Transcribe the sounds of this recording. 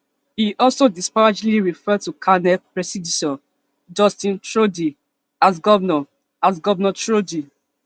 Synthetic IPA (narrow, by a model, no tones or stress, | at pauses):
hiʔɔlsodispad͡ʒliɹifɛd̚tukʰanɛpɹɛsiditɔ | d͡ʒɔstĩntɹodi | asɡɔvnɔ | asɡɔvɛnɔtɹodi